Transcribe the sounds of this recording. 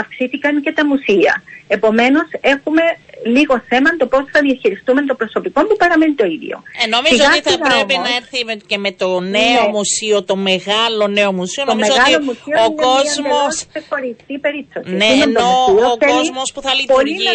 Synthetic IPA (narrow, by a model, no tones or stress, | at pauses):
ɐfksiθikɐŋce̞t̪ɐmusiɐ̰epo̞me̞no̞se̞xume̞liɣo̞θe̞mɐnt̪o̞po̞sθɐðiɐçiɾist̪ume̞nt̪o̞pɾo̞so̞piko̞mpupɐɾɐme̞nit̪o̞iðʝo̰nomizizoɐiθiɐɣɐɾempinɐeɾθicemet̪oneomusiot̪omeɣɐloneomusionommezoɣɐlomusioonkozɐeossexo̞ɾisθipe̞ɾipsotieimenousioθelzmospuθɐlipoli